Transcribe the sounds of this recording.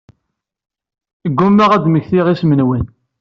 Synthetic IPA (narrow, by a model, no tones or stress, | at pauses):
ɡːumːæʁæd̪məçθiʁismənwən